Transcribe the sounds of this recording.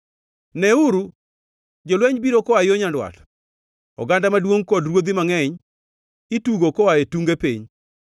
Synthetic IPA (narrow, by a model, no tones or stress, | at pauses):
nɛuɾu | d͡ʒolwɛɲbiɾokɔwajoɲandwa̰t | ɔ̰ɡandamadwoŋkɔdɾwod̪imaŋɛɲ | ituɡokɔwaetuŋɡepḛɲ